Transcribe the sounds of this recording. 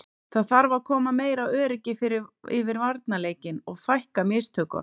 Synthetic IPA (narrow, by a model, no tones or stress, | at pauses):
θaðθaɾvakʰɔːmameːjɾawœːɾɪcɪfɪɾɪɪvɪɾvaɾt̪naleːjcɪnɔɣfajhkamɪst̪ʰœːkʏ̰n